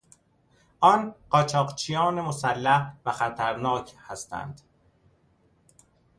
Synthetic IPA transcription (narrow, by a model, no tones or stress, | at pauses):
ʔɒːnɢ̥ɒːt͡ʃʰɒːqt͡ʃʰijɒːnemosælːæhvæxæt̪ʰæɾnɒːcʰhæst̪æ̰nd̪̥